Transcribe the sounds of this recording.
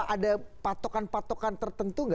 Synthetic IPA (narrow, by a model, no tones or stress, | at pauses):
ʔadapat̪okanpat̪okant̪ərt̪ənt̪uŋɡa